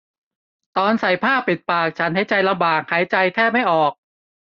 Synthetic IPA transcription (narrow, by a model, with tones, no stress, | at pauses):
t̪ɔː˧nsa˨˩jpʰaː˥˩pːi˨˩t̪̚paː˨˩k̚t͡ɕʰa˦˥nɦa˥˩jt͡ɕa˧jla˧mbaː˨˩k̚ha˩˦jt͡ɕa˧jt̪ʰɛː˥˩p̚ma˥˩jʔɔː˨˩k̚